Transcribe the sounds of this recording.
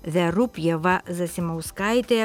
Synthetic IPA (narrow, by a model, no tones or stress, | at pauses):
ʋʲɛɾʊpjɛʋɐzɐsʲɪmɐʊskɐɪt̪ʲe